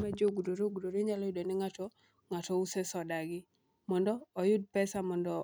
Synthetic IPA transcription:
ad͡ʒoɡudoɾoɡudoɾeɲalɔjʊdɔniŋatɔ | ŋatɔusɛsɔdaɡɪ | mɔndɔːjʊd̚pɛsamɔndɔ

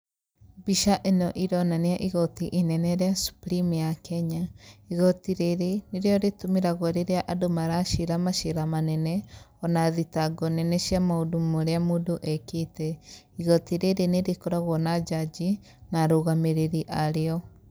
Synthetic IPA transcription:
biʃaʔenɔʔiɾɔnaneaʔiɣɔtiʔinɛnɛɾeasu̥pɾimijakɛɲaiɣɔtiɾeɾeneɾeɔɾetomeɾaɣɔɾeɾeaʔadomaɾaʃeɾamaʃeɾamanɛnɛɔnaðitaɡɔnɛnɛʃiamaodumoɾeamodoʔɛketɛ | iɣɔtiɾeɾeneɾekoɾaɣɔnad͡ʒad͡ʒi | naɾoɣameɾeɾiʔaɾeɔ

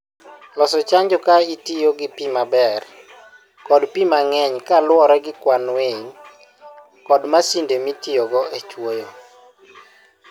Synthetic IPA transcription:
lɔsɔt͡ʃaɲd͡ʒɔkaitijoɡɪpimabɛr | kɔdpimaŋɛɲkalwɔɾɛɡɪkwanweɲ | kɔdmasindemitijɔɡɔet͡ʃwojɔ

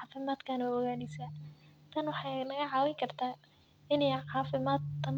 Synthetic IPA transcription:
fɪmaːd̪kʰanɐɔɣaːnɪsaːt̪ʰɐnwɑħɑːnɐɣɐʕɑːwɪjkʰɐrt̪ʰaː | ɪnɛjʕɑːfɪmaːd̪t̪ɐm

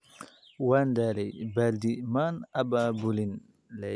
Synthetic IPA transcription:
wandalɛbaldimanababulin | lɛ

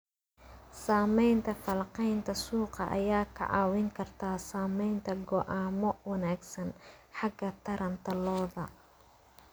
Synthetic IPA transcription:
saːmɛjnt̪ʰɐfɐlqɛjnt̪ʰɐsuːqɑ̰ʔɐ̰jaːkʰɐ̰ʕɑ̰ːwɪŋkʰɐrt̪ʰaːsaːmɛjnt̪ʰɐɡɔʔaːmɔwɐnaːɡsɐnħɑɡɐt̪ʰɐɾɐnt̪ʰɐlɔːðɐ

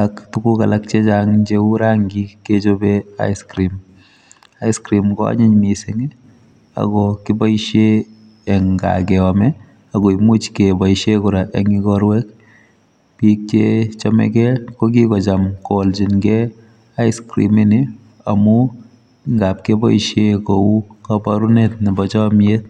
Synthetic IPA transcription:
aktukukalak̚t͡ʃet͡ʃaŋɲd͡ʒeuɾaŋɡiked͡ʒobea̰iskɾim | aiskɾimkɔa̰ɲiɲmisiŋ | a̰ɡɔkibaiʃeː | ŋɡa̰kɛɔmɛ | aɡɔimut͡ʃkebajʃekuɾaʔɛŋiɡɔɾwɛk | pik̚t͡ʃet͡ʃɔmɛ̰kɛkok̬ikɔt͡ʃamkolt͡ʃinɡɛ | aiskɾḭmini | amu | ŋɡap̚kebɔiʃjekoukapaɾunetnibɔt͡ʃɔmjet̚

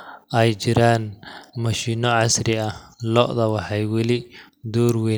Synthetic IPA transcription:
ʔɛjt͡ʃɪɾaːnmɐʃiːnɔʕɑsrɪɐhlɔ̰ʔðɐwɑħɑjwɐlɪ | d̪ɔːrwɛ

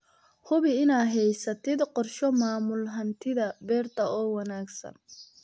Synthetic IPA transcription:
hʊβɪɪnaːɦɛjsɐt̪ʰɛd̪qɔrʃɔmaːmʊlɦɐnt̪ʰɪðɐbɛːrt̪ʰɐɔːwɑnaːɡsɐ̰n

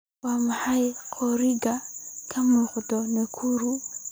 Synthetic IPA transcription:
wamahaikʰɔɾiɡakʰamɔkutɔnɛkʰuɾu

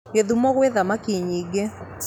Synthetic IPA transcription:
ɡeðumɔɣweðamakiɲiɡe

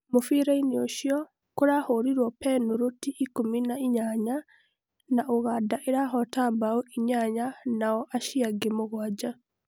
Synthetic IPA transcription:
mofiɾainioʃiɔ | koɾahoɾiɾwɔpɛnuɾotiʔikominaiɲaɲa | naʔoɣaːdaʔeɾaɦɔtambaoiɲaɲanaɔʔaʃiaɡemoɣwaːd͡ʒa

